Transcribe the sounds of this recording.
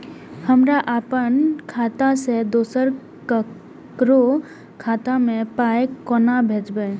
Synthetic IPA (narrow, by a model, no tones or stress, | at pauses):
həmɾaʔapənkʰat̪ased̪osəɾ | kə | kɾo | kʰaːt̪amẽpaekɔnabʱed͡ʒbe